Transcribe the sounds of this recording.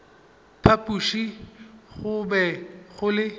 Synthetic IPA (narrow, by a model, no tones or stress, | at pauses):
pʰapʼuʃiχʊbɛχʊlɪ